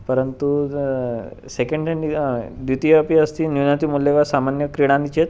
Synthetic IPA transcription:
pəɾənt̪u | sekeɳɖeɳɖid̪it̪iapiəst̪injunat̪imulːeʋasamanjəkɾiɽ̃anit͡ɕet̪

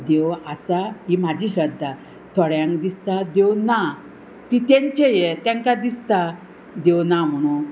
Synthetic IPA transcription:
d̪ewasaɦim̤ad͡ʑiːɕəd̪ʱːa | t̪ʰɔɽjãŋkd̪ist̪ad̪ewna | t̪it̪ɛ̃ɲt͡ɕejet̪ɛ̃ŋkad̪ist̪a | d̪ewnam̤əɽ̃ũ

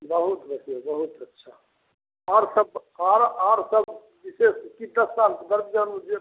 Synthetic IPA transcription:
bəɦut̪bəsjabəɦut̪ətːʃʰa | aɾsəbaɾaɾsəb | biseskit̪əsalkd̪əɾbd͡ʒanud͡ʒe

